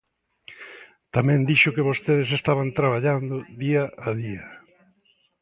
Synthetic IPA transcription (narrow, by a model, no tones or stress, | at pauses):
t̪amɛ̃nd̪iʃʊkɪβost̪eðɪsest̪aβant̪ɾaβ̞aʎand̪ʊðiaʔaðiɐ